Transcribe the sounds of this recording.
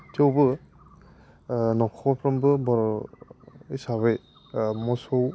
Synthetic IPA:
tʰewbɯ | nɔkʰɔpʰɾɔmbɯbɔɾ | isaβɯj | mɔsow

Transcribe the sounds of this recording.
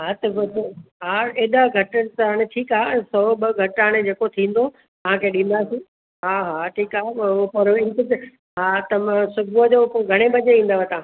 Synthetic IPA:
ɦaːt̪ɐbɐt̪ɦaːeːɗ̪aɡʱɐʈənɪt̪ɐɦaɽ̃eʈʰiːkaːsɔɓɐɡʱɐʈaɽ̃ed͡ʑeːkot̪ʰĩːn̆d̪o | t̪ɐʋ̤ãkʰeɗĩːn̆d̪aːsĩː | ɦaːɦaʈʰiːkaːɦpɐɾɪnkɪt̪ | ɦat̪ɐmãsʊbud͡ʑopoɡʱɐɽ̃ebɐɲeĩːnd̪aʋət̪ãː

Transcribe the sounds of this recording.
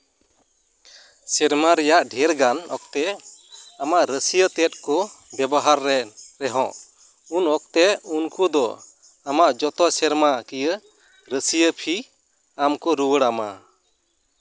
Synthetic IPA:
sɛɾmaɾɛjaʔɖʱɛɾɡanɔk̚t̪ɛ | amaʔɾəsijət̪ɛt̪̚ˀkɔbɛbɔɦaɾːɛɾɛɦɔ̃ʔ | unɔk̚t̪ɛunkud̪ɔ̰ | amaʔd͡ʒɔt̪ɔsɛɾmakijə | ɾəsijəpʰi | amkɔɾuwəɽama

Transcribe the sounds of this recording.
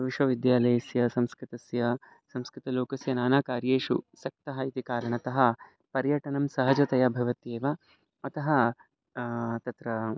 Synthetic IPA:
ʋiʃʋɐʋid̪jaːlɐjɐsjɐsɐmskɾit̪ɐsjɐ | sɐmskɾɪt̪ɐloːkɐsjɐnaːnaːkaːɾjeːʂṵsɐk̚t̪ɐɦɐ̆it̪ikaːɾɐɳɐt̪ɐɦɐ̆ | pɐɾjɐʈɐɳɐmsɐɦɐd͡ʒɐt̪ɐjɐbʱɐʋɐt̪eːʋɐ | ɐt̪ɐɦɐ | t̪ɐt̪ɾɐ

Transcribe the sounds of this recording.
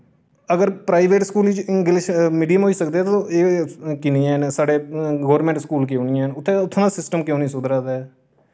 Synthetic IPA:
əɡəɾpɾaːiʋeːʈskuːliːt͡ʃɡɪlʃmiːɖijəmɦoːiːsəkd̪eɛːt̪õʔeːkɪnĩːɛnsaːɖeːɡoːʋəɾmɛ̃ːɳʈskuːlkɪõːniə̃ːnʊt̪ʰːẽʊt̪ʰːõːd̪aːsɪsʈəmkjõːnĩːsʊd̪ɾaːd̪ɛː

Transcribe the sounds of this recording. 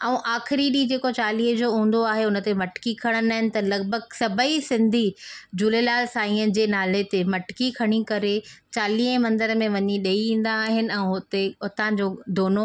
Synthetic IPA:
ɛ̃ũʔaːxɪɾiɗid͡ʑeːkot͡ɕaːliːɦə̃d͡ʑoːɦũːn̆d̪oaːɦeʊnə̆t̪emɐʈkikʰɐɽ̃ənaːɦɪnɪ̆t̪ɐlɐɡbʱəɡsɐbʱəisɪ̃nd̪ʱid͡ʑʊlelaːlsaːĩən̆d͡ʑeːnaːlet̪emɐʈkikʰɐɽ̃ikɐɾet͡ɕaːliːɦəmɐ̃nd̪əɾmẽʋɐɲiɗɐiĩːn̆d̪aːɦɪnɪ̆ɛ̃ːɦʊt̪eʊt̪ãd͡ʑoːd̪oːno

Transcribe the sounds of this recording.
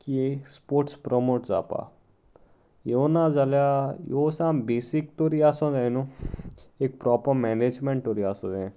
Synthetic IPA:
kiespoːɾʈspɾomoːʈza̰ːpa̰ː | jonãd͡ʒaljajoːsãmbeːsik̚t̪oɾiaːsõːd̪enũ | ek̚pɾɔːpəɾmɛːneːd͡ʒmẽɳʈʈoːɾiaːsõd̪ẽ

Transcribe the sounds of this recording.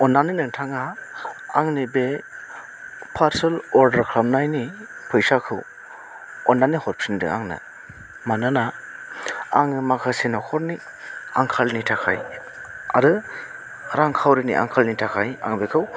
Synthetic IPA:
ɔnːaninɯŋtʰaŋaː | ŋnibe | pʰaɾselɔɾdaɾkʰɾam̚najni | pʰɯjsakʰɯw | ɔnːanihɔɾpʰsindɯ̰a̰ŋnɯ̰ | manɯna | aŋmakʰasenɔkʰɔɾni | aŋkʰalnitʰakʰa̰j | a̰ɾɯ | ɾaŋkʰawɾinḭʔa̰ŋkʰalnitʰakʰaja̰ŋbekʰɯw

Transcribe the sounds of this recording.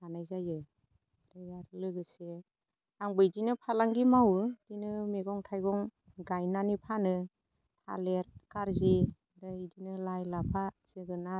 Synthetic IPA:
anajzajɯ | ɾɯjaɾlɯɡɯse | aŋbɯjdinɯpʰalaŋɡimawɯdinɯmeɡɔŋtʰajɡɔŋ | ɡajnanipʰanɯ | tʰa̰leɾkaɾzi | dɯidinɯlajlapʰasɯɡɯna

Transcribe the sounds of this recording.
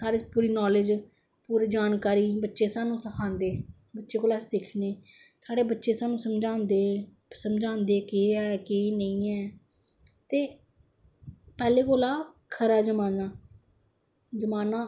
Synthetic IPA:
saːɽeːpuːɾiːnɔːlɪd͡ʒ | puːɾiːd͡ʒaːnkaːɾiːbətːʃeːsaːnũːsəkʰãːnd̪eː | bətːʃeːkoːlaːsɪkʰneː | saːɽeːbətːʃeːsaːnũːsəmd͡ʒãːnd̪eː | səmd͡ʒãːnd̪eːkeːɦɛːkeːnəĩːɛː | t̪eː | pɛːleːkoːlaːkʰəɾaːd͡ʒəmaːnaː | d͡ʒəmaːnaː

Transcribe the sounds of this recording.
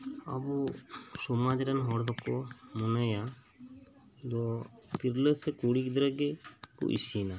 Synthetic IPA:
a̰busɔmad͡ʒɾanɦɔɾd̪ɔkɔmɔnaja | d̪ɔt̪iɾlesɛkuɽikd̪ɾaɡekṵʔḭsina

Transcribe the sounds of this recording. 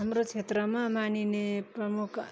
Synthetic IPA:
amrot͡sʰet̪rʌmamanineprʌmukʰ

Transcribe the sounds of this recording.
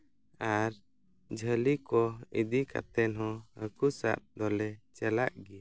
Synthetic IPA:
aɾ | d͡ʒʱəlikɔid̪ika̰t̪ɛnɦɔ̃əkusa̰ʔ̪̚d̪ɔlɛt͡ʃɛlaʔɡi

